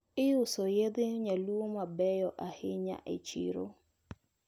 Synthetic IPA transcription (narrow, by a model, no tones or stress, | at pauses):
ɪjʊsɔjedɪɲaluwomabɛjɔʔahɪɲa̰ʔɪ̰t͡ʃḭɾo̰